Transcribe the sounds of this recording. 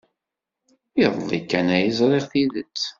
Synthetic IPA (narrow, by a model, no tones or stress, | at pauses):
iðˤlˤːikːænæjizɾˤiʁθiðə̰t͡sː